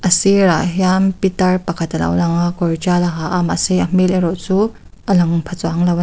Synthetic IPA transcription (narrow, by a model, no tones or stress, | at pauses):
ʔɐsiɾaʔɦjampit̪ɐrpɐkʰɐt̪ɐlɐ̰wlɐŋakɔɾd͡ʒalɐɦaʔama̰siʔɐm̥ilɐɾɔʔt͡suː | ʔɐlɐŋpʰɐt͡swaŋlɐw